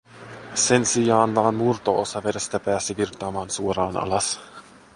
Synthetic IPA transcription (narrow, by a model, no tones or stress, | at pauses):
se̞nsijɑːnʋɑːnmurt̪oʔosɑʋeɾest̪æpæːsiʋirt̪ɑːmɑːnsuoɾɑːnʔɑ̰lɑs